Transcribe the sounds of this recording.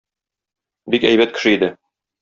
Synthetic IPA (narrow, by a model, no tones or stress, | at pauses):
bikæjβæt̪̚kɘ̥̆ʃɘid̪ɘ